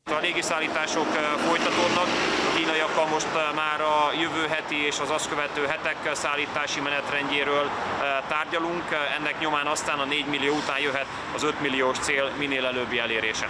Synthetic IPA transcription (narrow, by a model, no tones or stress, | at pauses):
t̪ɒleːɡisaːlːiːt̪aːʃo̞kfo̞jt̪ɒt̪oːd̪nɒkɒkiːnɒiɒkːɒlmo̞ʃt̪maːɾɒjøvøːɦɛt̪ieːʃɒzɒskøvɛt̪øːɦɛt̪ɛksaːlːiːt̪aːʃimɛnɛt̪rɛɲɟeːɾøːlt̪aːrɟɒluŋkɛnːɛkɲo̞maːnɒst̪aːnɒneːɟmilːijoːut̪aːnjøɦɛt̪ | ɒzøt̪milːijoːʃt̪seːlmineːlɛløːbːiɛleːɾeːʃɛ